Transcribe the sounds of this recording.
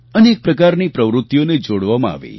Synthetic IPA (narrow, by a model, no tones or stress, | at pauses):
əneːk̚pɾəkaɾnipɾəʋɾʊt̪ːjoned͡ʒoɽʋamãa̰ʋḭ